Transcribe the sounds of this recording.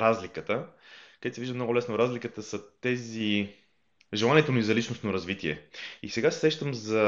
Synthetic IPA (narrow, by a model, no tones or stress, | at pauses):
ɾazlikət̪əkəɡ̪d̪ɛt̪sɛviʒd̪əmnɔɡʊlɛsnoɾazlʲikət̪əsət̪ɛzi | ʒɛlˠaniɛt̪onizɐlit͡ʃnost̪noɾɐzvit̪iɛ̰ḭsɛɡasɛsɾɛʃt̪əmzɐ